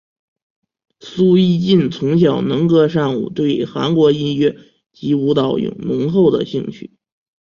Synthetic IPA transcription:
su˥i˥t͡ɕi˥˩nt͡sʰʊ˧˥ŋɕ̬jɑ˨˩ʊnɤ˧˥ŋkɤ˥ʂɑ˥˩nṵ˨˩t̪we˥˩ɪxa̰˧˥nkwɔ˧˥i˥nɥɛ˥˧ | t͡ɕi˧˥u˧˥t̪ɑ˨˩ʊjʊ̰˨˩ŋnʊ˧˥ŋxo˥˩ʊd̪ə̰˨˩ɕi˥˧ŋɕʰy̰˥˩

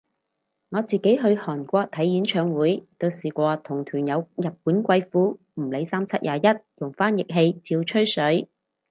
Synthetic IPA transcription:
ŋɔː˨˧t͡siː˨ke˨˥jɦɵ˧ɥhɔː˨˩nkʷɔː˧k̚t̪ʰɐ˨˥jjiː˨˥nt͡ʃʰœː˨˧ŋwuː˨˥jt̪o˧wsiː˨˩kʷɔː˧t̪ʰʊ˨˩ŋt̪ʰyː˨˩njɐ˨˧wjɐ˨p̚puː˨˥nkʷɐ˧jfuː˨˥ | m̩˨˩le˨˧jsaː˥mt͡sʰɐ˥t̚jʔaː˨˧jɐ˥t̚jʊ˨˩ŋfaː˥njɪ˨k̚ɦe˧jt͡siː˧wt͡ʃʰɵ˥ɥsɵ˨˥ɥ

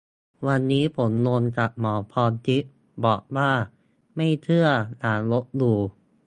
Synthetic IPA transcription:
wa˧nːiː˦˥pʰo˩˦nlo˧nka˨˩p̚mɔː˩˦pʰɔː˧nt͡ɕi˦˥ʔ̚ | bɔː˨˩k̚waː˥˩ | ma˥˩jt̪ʰɯ˥˩ɐənaː˩˦nlo˦˥t̪̚duː˧

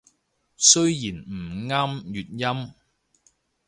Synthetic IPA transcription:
sɵ˥ɥjiː˨˩nm̩˨˩ŋaː˥mjyː˨t̚jɐ˥m

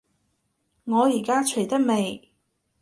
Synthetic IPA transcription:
ŋɔː˨˧jiː˨˩kaː˥t͡ʃʰɵ˨˩jt̪ɐ˥t̚me˨j

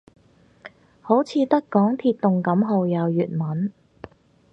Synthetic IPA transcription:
ho˨˥wt͡sʰiː˨˧t̪ɐ˥kɔː˨˥ŋt̪ʰiː˧t̪̚t̪ːʊ˨ŋkɐ˨˥mɦo˨˧wjɐ˨˧wjyː˨˩t̚mɐ˨˥n

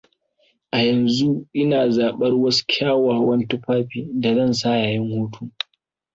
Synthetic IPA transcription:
ʔa˨jɐ˨nzu˦ʔɪ˦naː˨zaː˨ɓɐ˦rwɐ˦su̥˦kʲʰaː˦waː˨wɐ˦ntu˦ɸaː˦ɸiː˨da˨zɐ˦˨nsaː˦jaː˨jɪ˦ŋhuː˦tʰu˦

